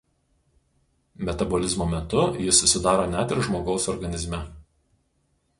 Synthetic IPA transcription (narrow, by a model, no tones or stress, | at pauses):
mʲɛt̪ɐbɔlʲɪzmoːmʲɛt̪ʊjɪsːʊsʲɪd̪ɑːɾoːnʲæt̪ʲɪɾʒmoːɡɒʊsɔɾɡɐnʲɪzʲmʲɛ